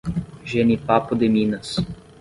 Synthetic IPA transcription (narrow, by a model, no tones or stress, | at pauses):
ʒenipapʊd̪ɪmĩnɐs